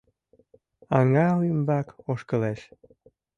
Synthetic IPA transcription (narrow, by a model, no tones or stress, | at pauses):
ɑŋɑlymbɑkoʃkəleʃ